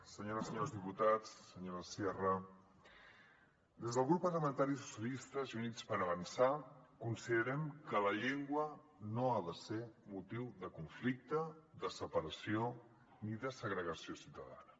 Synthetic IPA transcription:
səɲoɾəsəɲoɾzðiput̪at͡sːəɲoɾəsjɛrə | d̪ezðəlˠɣɾupːərləmə̃nt̪aɾis̬u̥sjəlist̪əzunit͡spəɾəβənsakunsiðəɾɛmkələʎeŋɡwə | noaðəsemut̪iwðəkuɱflik̚t̪əðəsəpəɾəsio | niðəsəɣɾəɣəsiosiwt̪əða̰nə

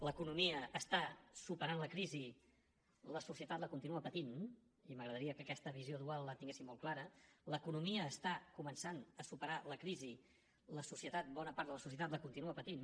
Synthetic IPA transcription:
ləkunumiəʔːst̪asupəɾanləkɾizi | ləsusiət̪at̪ləkunt̪inuəpət̪in | iməɣɾəðəɾiəkəkɛst̪əβ̞izjoðualˠlət̪iŋɡesimɔlˠklaɾələkunumiəːst̪akumənsanəsupəɾaləkɾizi | ləsusiət̪at̪̚bɔnəpaɾt̪ðələsus̬iət̪at̪ləkunt̪inuəpət̪in

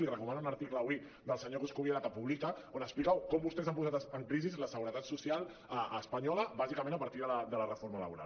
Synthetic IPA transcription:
lirəkumanunəɾt̪ikləːβwi | d̪əlˠsəɲokuskuβieɾat̪apuβlikaonəksplikawkɔmbust̪ɛzampuzat̪əŋkɾizizləsəɣuɾət̪at̪susjalˠ | əːspɐɲɔləbazikəmẽnəpaɾt̪iðələd̪ələrəfoɾmələ̰βuɾa̰l

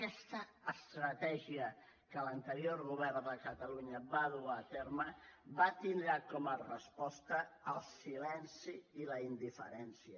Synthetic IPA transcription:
kɛst̪əːst̪ɾət̪ɛʒiə | kələnt̪əɾjoɾɣuβ̞ɛɾnd̪əkət̪əluɲəβaðuat̪eɾməβat̪ind̪ɾakɔmərəspɔst̪əːlˠsilɛnsiːləind̪ifə̰ɾɛnsiə

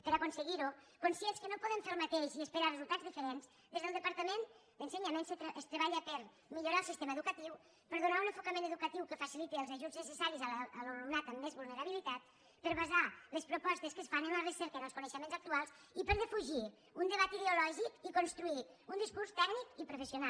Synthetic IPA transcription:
pəɾəkonsəɣiɾu | konsjenskənopɔðəɱfelˠmət̪eʃiəspəɾarəzulˠt̪adzðifəɾenz | d̪ezðəlˠd̪əpəɾt̪əmend̪ənsəɲamenst̪əst̪ɾəβaʎəpəɾ | miʎuɾalˠsist̪eməðukət̪iw | pəɾðunaunəfukəmẽnəðukət̪iwkəfəsilit̪eəlˠzəʒuznəsəsaɾizəlːlounat̪əmːezβulnəɾəβilit̪at̪̚ | pəɾβɐzaləspɾupɔst̪əskəsfanəmarəseɾkəðəlˠskunəʃəmẽnzək̚t̪ualˠsipəɾðəfuʒi | und̪əβ̞at̪iðəulɔʒikikonst̪ɾuiund̪iskuɾst̪ɛknikipɾufəsiuna

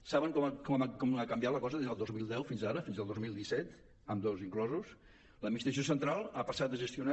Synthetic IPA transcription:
saβəŋkɔmkɔmakɔmakəmbjat̪ləkɔzəðezðəlˠd̪ozmilˠd̪ɛwfinzaɾəfinzðəlˠd̪ozmilˠd̪isɛt̪ | əmd̪oziŋklɔzus | ləminist̪ɾəsijosənt̪ɾalˠapəsat̪̚ːəʒəst̪iuna

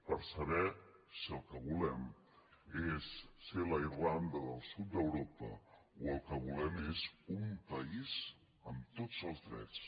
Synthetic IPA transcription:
pəɾsəβɛ | siəlˠkəβulɛm | esːeləirland̪əðəlˠsut̪̚d̪əwɾopə̰uəlˠkəβulɛmezumpəiz̥ | əmt̪otd͡zəlˠzðɾɛ̰t͡s

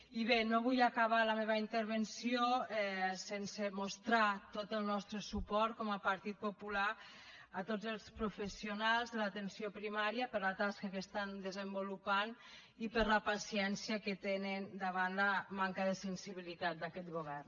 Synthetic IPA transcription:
iβenoβ̞ujakaβ̞aləmeβaint̪əɾβ̞ənsioɛsensemost̪ɾat̪ot̪əlˠnɔst̪ɾəsupɔɾt̪̚kɔməpaɾt̪it̪̚popula | at̪od͡zəlˠspɾufəsionalˠzðəlat̪ənsiopɾimaɾjapəɾlat̪askakəst̪and̪əzəmbolupan | ipəɾləpasiɛnsjəkət̪enənd̪aβ̞anlamaŋkaðəsənsiβ̞ilit̪at̪̚d̪akɛt̪̚ɣoβ̞ɛrn

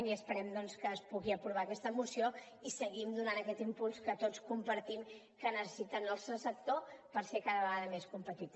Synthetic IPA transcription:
niəspəɾɛmd̪ɔnskəːspuɣiəpɾuβ̞aəkɛst̪əmusijo | isəɣimd̪unanəkɛt̪impulˠskət̪ot͡skumpəɾt̪im | kənəsə̥sit̪ənəlˠsəsək̚t̪opəɾsekaðəβəɣaðəmeskumpət̪it̪

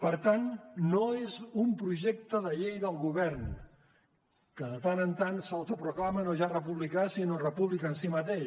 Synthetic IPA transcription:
pəɾt̪anːoezumpɾuʒek̚t̪əðəʎejðəlˠɣuβɛrn | kəðət̪anənt̪ansəwt̪upɾuklamənoʒarəpuβlikasinorəpuβlikəːnsimət̪eʃ

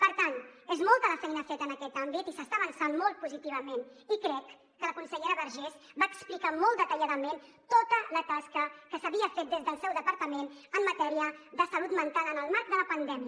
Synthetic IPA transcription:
pəɾt̪anezmɔlˠt̪ələfɛjnəfet̪ənəkɛt̪ambit̪isəst̪aːβənsanmɔlˠt̪̚puzit̪iβəmenikɾɛkː | ələkunsəʎeɾəβəɾʒɛsbaːksplikamɔlˠt̪d̪ət̪əʎaðəment̪ot̪ələt̪askəkəsəβiəfet̪̚d̪ezðəlˠsɛwðəpəɾt̪əmenəmːət̪ɛɾiəðəsəlut̪mənt̪alənəlˠmaɾk̚d̪ələpənd̪ɛmiə

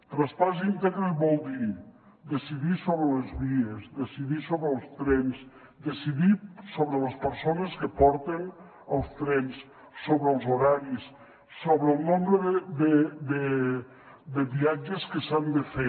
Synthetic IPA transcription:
t̪ɾəspazint̪eɣɾəbɔlˠd̪i | d̪əsiðisoβɾələzβiəzd̪əsiðisoβɾəːlˠst̪ɾɛnz | d̪əsiðisoβɾələspəɾsonəskəpɔɾt̪ən | əlˠst̪ɾɛns | soβɾəəlˠzuɾaɾisː | oβɾəlˠnombɾəðəd̪əd̪ə | d̪əβiad͡ʒəskəsand̪əfe

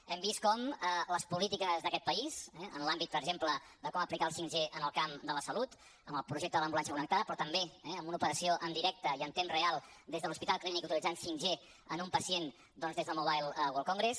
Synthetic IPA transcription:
ɛmbiskɔmələspulit̪ikəzðəkɛt̪pəizɛə̰nlambit̪̚pəɾɡʒempləd̪əkɔməplikaəlˠsiŋʒeʔənəlˠkamd̪ələsəlut̪ | əməlˠpɾuʒek̚t̪əðələmbulansjəkunək̚t̪aðəpɾɔt̪əmbeɛəmbunupəɾəsioʔənd̪iɾɛk̚t̪əiənt̪emrealˠd̪ezðəlˠuspit̪alˠklinikut̪ilid͡zansiŋʒe | ənumpəsien | d̪ɔnzðezðəlˠmuβajlˠwolˠkɔŋɡɾes

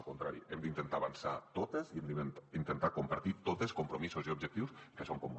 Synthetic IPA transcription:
kunt̪ɾa̰ɾḭemd̪int̪ənt̪aːβansat̪ot̪eziemd̪int̪ənt̪akumpaɾt̪it̪ot̪eskumpɾomisuziubʒək̚t̪iwskəsoŋkum

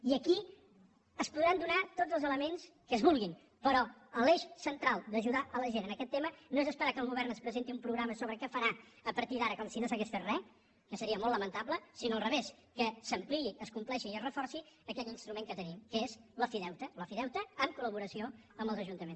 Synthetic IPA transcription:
iəki | əspuðɾand̪unat̪odd͡zəlˠzələmens | kəːzβulˠɣin | pəɾɔəleʃsənt̪ɾalˠd̪əʒuðaʔələʒenənəkɛt̪ːemənoezəspəɾakəlˠɣ̞uβɛrnəspɾəzent̪iumpɾuɣɾaməsoβɾəkɛfəɾaəpəɾt̪iðaɾəkɔmsinosəɣɛsfet̪rɛ | kəsəɾiəmolˠtːlːəmənt̪apləsinoəlˠrəβes | kəsəmpliiʔəskumplɛʃiiəzrəfɔrsiəkɛʎinst̪ɾumeŋkət̪ənimkəezləfiðɛwt̪ələfiðɛwt̪əəmkuləβuɾəsioəmbəlˠzəʒunt̪əmens

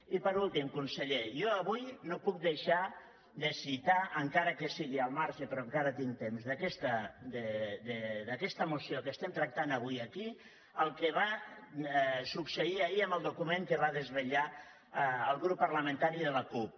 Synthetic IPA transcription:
ipəɾulˠt̪imkunsəʎejoəβujnopuk̚d̪əʃa | d̪əsit̪aʔəŋkaɾəkəsiɣiəlˠmaɾʃəpɾoəŋkaɾət̪iŋt̪emzðəkɛst̪əd̪əd̪əd̪əkɛst̪əmusiokəst̪ɛmt̪ɾək̚t̪anəβ̞ujəki | əlˠkəβa | suksəiəiəmbəlˠd̪ukumẽŋkəβaðəzβəʎa | əlˠɣɾupːərləmə̃nt̪aɾiðələkup̚

